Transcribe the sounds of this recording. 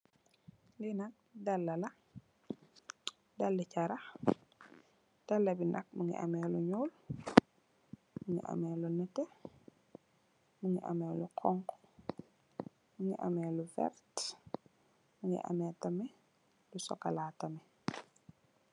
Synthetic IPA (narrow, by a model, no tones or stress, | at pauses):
linɐk̚dɐlːɐlɐ | dɐlːicɐɾɐx | d̥ɐlːɐbinɐ̰k̚muŋɡḭʔɐ̰mɛːluɲuːl | muŋḭʔa̰mɛːlunɛtɛ | muŋiʔɐ̰mɛːluqʰɔŋk | muŋiʔɐ̰mɛːlufɛ̰rt | muŋḭʔɐ̰mɛtɐmɛ | lusɔ̰kɐlaːtɐmɛ